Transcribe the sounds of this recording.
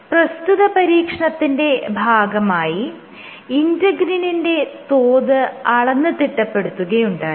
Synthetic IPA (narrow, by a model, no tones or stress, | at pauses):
prɐst̪uðɐpɐɾiːkʂɐɳɐt̪ːinde̞bʱaːɡɐmaːji | indɐɡɾininde̞t̪oːðɨɐɭɐnːɨt̪iʈːɐpːe̞ɽut̪ːuɣɐjuɳɖa̰ː